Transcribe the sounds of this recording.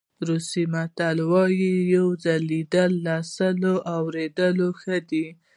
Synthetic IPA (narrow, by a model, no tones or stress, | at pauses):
ɾusimat̪alwɑjijawzalːid̪əlːɑsəloʔawɾed̪əloxəd̪i